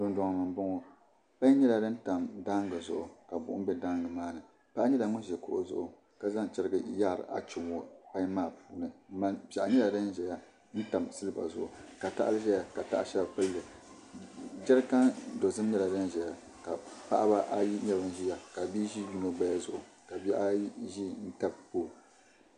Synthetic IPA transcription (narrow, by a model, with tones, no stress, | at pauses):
dʊ˨nda˨ŋ˨nɨ˨ŋbʊ˦ŋo˨ | pa˦ɲ˦ɲɛ˦la˨dɨ˦n˦ta˨mda˦ŋɡɨ˨zʊ˨ʔʊ˨ka˨bʊ̰˨ʔʊ̰˦bɛ˦da˦ŋɡɨ˨maː˦nɨ˨ | pa˦ʔɲɛ˦la˨ŋʊ˦˨ɛ˨kʊ̰˦ʔʊ˨zʊ̰˦ʔʊ˨ | ka˨za˦ŋt͡ʃɛ˨ɾɨ˨ɡɨ˨˦ja˦˨ɾɨ̰˨ʔa̰˦t͡ʃɪ˨mwo˦pa˦ɲ˦maː˦˨puː˦nɨ˨˦ma˦pa˨ʔɲɛ˦la˨dɨ˦n˦ʒɛ˨ja˦ | n̩˦ta˨msɨ˦lɨ˦ba̰˨zʊ˦ʔʊ˨ka˨ta̰˦ʔlɨ˦ʒɛ˦ja˨ka˨ta̰˦ʔa˦ʃɛ˦ba˨pɨ˦lːɨ˨ | d͡ʒɛ˦ɾɨ˦ka˦ndo˨zɨ˦m˦ɲɛ˦la˨dɨ˦nʒɛ˨ja˨ | ka˨pa̰˦ʔba˦ʔa˦ji˦ɲɛ˦bɨ˨n˦ʒi˦ja˦ka˨bi˦ʒi˦ju˦no˦ɡ͡ba˦ja˦zʊ̰˨ʔʊ˨ | ka˨bi˦a˦ʒi˦n̩˦ta˦b̚poː˦˨